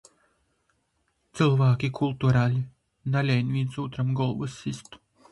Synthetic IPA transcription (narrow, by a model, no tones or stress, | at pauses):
t̪sɨlˠvaːkʲikʰulˠt̪uɾaːlʲi | nalʲɛjnʲvʲinsuːt̪ɾamɡɔlˠvɨsist̪